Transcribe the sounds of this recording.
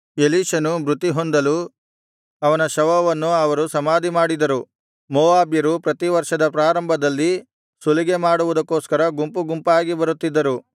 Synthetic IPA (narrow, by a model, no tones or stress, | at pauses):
eliːʃɐnumɾut̪ːiɦond̪ɐlu | ɐʋɐnɐʃɐʋɐʋɐnːuɐʋɐɾusɐmaːd̪ʱimaːɽid̪ɐɾu | mɔːaːbjɐɾupɾɐt̪iʋɐɾʂɐd̪ɐpɾaːɾɐmbʱɐd̪ɐlːi | suliɡemaːɽuʋud̪ɐkːoːskɐɾɐɡumpuɡumpaːɡibɐɾut̪ːid̪ːɐɾu